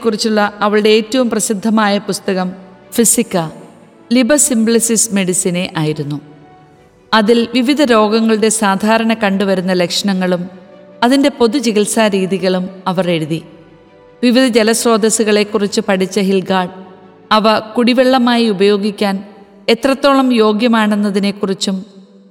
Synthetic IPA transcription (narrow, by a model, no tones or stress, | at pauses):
ekːurit͡ɕːuɭːɐɐʋɐɭɨɽe̞eːtːɐʋumprɐsid̪ʱːɐmaːjɐpust̪ɐɣɐmfisikːɐ | libɐsimbɭisisme̞ɽisine̞ʔaːjiɾunːu | ɐðilʋiʋid̪ʱɐɾo̞ːɡɐŋːɐɭɨɽe̞saːd̪ʱaːɾɐɳɐkɐɳɖuʋɐɾunːɐle̞kʂɐɳɐŋːɐɭumɐðinde̞po̞ðud͡ʑiɣilsaːɾiːðiɣɐɭumɐʋɐre̞ɽuði | ʋiʋid̪ʱɐd͡ʑelɐsro̞ːd̪ɐsuɣɐɭe̞kːurit͡ɕːɨpɐɽit͡ɕːɐɦilɡaːɖ | ɐʋɐkuɽiʋeɭːɐmaːjiubɐjo̞ːɡikʲːaːn | e̞t̪rɐt̪ːo̞ːɭɐmjo̞ːɡjɐmaːɳenːɐðine̞kːurit͡ɕːum